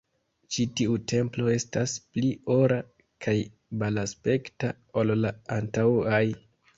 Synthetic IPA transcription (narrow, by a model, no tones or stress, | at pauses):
t͡ʃitiute̞mplo̞e̞stasplio̞ɾa | kʰaj | balaspe̞kta | ollaantawaj